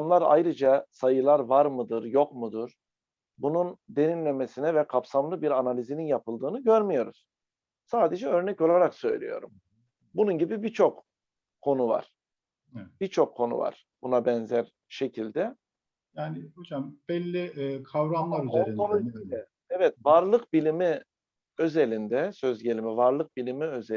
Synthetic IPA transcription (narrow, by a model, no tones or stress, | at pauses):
amlˠaɾa̰jɾɯd͡ʒasajɯlˠaɾvaɾmɯd̪ɯɾjo̞kmud̪uɾ̥ | bunund̪e̞ɾinlʲe̞me̞sinɛvɛkʰapsamlˠɯbiɾanalʲizininjapʰɯlˠd̪ɯːnɯɟøɾmijo̞ɾuz̥ | saːd̪e̞d͡ʒɛø̞ɾnɛco̞lˠaɾaksø̞̰jlʲḭjo̞̰ɾṵm | bununɟibibit͡ʃʰo̞k | kʰːo̞nuva̰ɾ̥ | b̥it͡ʃʰo̞kʰːo̞nṵva̰ɾ̥ | b̥unabɛnzæɾ | ʃe̞cʰilʲd̪ɛ | jaːnihod͡ʒamb̥ɛlʲːikʰavɾamlˠaɾyeɾonuilɛ | ɛvɛt̪vaɾlˠɯkbilʲimi | øzelʲind̪ɛsø̞zɟe̞lʲimivaɾlˠɯk̚bilʲimiøze